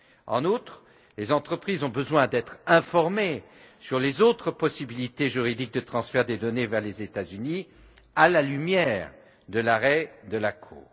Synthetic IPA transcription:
ɑ̰̃nut̪χ | lezɑ̃t̪χəpχizɔ̃bəzwɛ̃d̪ɛt̪χɛ̃fɔʁme | syʁlezot̪χəpɔsibilit̪eʒyʁid̪ik̚d̪ət̪χɑ̃sfɛʁd̪ed̪ɔnevɛʁlezet̪azyni | alalymjɛʁ | d̪əlaʁɛd̪əlakʰṵːʁ

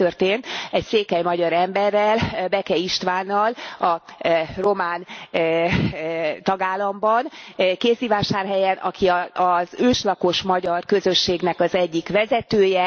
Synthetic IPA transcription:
ørt̪eːnt̪ɛcseːkɛjmɒɟɒɾɛmbɛrːɛlbɛkɛiʃt̪ʋaːnːɒlɒro̞maːn | t̪ɒɡaːlːɒmbɒnkeːzivaːʃaːrɦɛjɛnʔɒ̰kiɒzøːʃlɒko̞ʃmɒɟɒrkø̞zø̞ʃːeːɡnɛkɒzɛɟːikʋɛzɛt̪øːjɛ

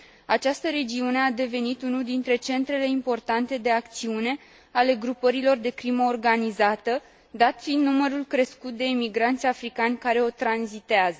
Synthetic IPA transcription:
at͡ʃast̪əɾe̞d͡ʒiune̞ad̪e̞ve̞nit̪unuld̪int̪ɾe̞t͡ʃe̞nt̪ɾe̞le̞impo̞rt̪ant̪e̞d̪e̞akt̪siune̞ | ale̞ɡɾupəɾilo̞rd̪e̞kɾiməorɡanizat̪ə | d̪at̪find̪numəɾulkɾe̞skut̪̚d̪e̞imiɡɾant̪sʲafɾikanʲkaɾe̞o̞t̪ɾanzit̪eazə

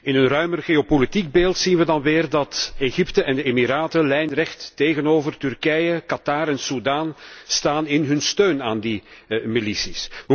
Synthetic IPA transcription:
ɪnənrœɥmərɣeopolitiɡ̚beːlˠtsinʋədɑnʋeːrdɑteɣiptəʔɛndəemiɾaːtəlɛjnrɛxtːeːɣənoːvərtyrkɛjəkɑtaɾɛnsudaːnstaːnɪnɦɵnstøːnaːndimilisisə

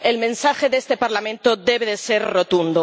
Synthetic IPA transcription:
elmẽnsaxeðest̪e̞paɾlamẽnt̪oðeβeðeseɾrot̪und̪o

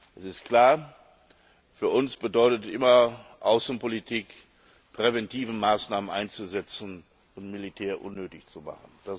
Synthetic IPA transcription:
ʔɛsɪstkl̥aːɐ | fyːɐʔʊnsb̥ədɔʏtətʔɪ̰mɐʔaʊsn̩politʰiːk | pʁ̥evɛntʰiːvəmaːsnaːmənʔa̰ɪnt͡suzɛt͡sn̩ | ʊntmilitʰɛːɐʔʊ̰nːøːtɪçt͡suma̰χən̩d̥a

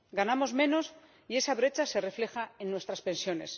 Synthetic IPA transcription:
ɡanamo̞zmẽ̞no̞s | ie̞saβɾe̞t͡ʃase̞refle̞xae̞nːwe̞st̪ɾaspẽ̞nsjo̞ne̞̰s

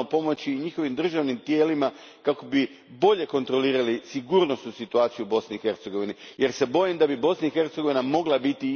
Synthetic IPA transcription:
opo̞mo̞t͡ɕiɲixo̞ʋimd̪r̩ʒaʋnimt̪je̞ːlima | kako̞bi | bo̞ʎe̞ko̞nt̪ɾo̞liːɾalisiɡuːɾno̞st̪nusit̪uaːt̪sijubo̞sniːxe̞ɾt̪seɡo̞ʋinije̞ɾse̞bo̞jimd̪abibo̞snaixe̞ɾt̪seɡo̞ʋinamo̞ɡlˠabit̪i

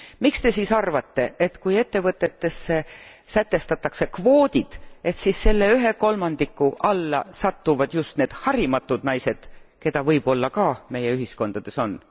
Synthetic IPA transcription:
mikst̪e̞siːsɑrvɑt̪ːe̞ʔet̪kuje̞t̪ːe̞vɤt̪ːˑe̞t̪ːe̞sːe̞sæt̪ːˑe̞st̪ɑt̪ːˑɑkse̞kvo̞ːd̪̥id̪̥e̞t̪sisːe̞lːeyɦe̞ko̞lmɑnd̪̥ikːˑuʔɑlːɑ̰sɑt̪ːuvɑd̪̥just̪ne̞ːd̪̥hɑɾimɑt̪ːˑud̪nɑjse̞d̪̥ke̞d̪̥ɑvɤjb̥o̞lːɑkɑːme̞jeyɦisko̞nd̪ɑd̪̥e̞so̞n

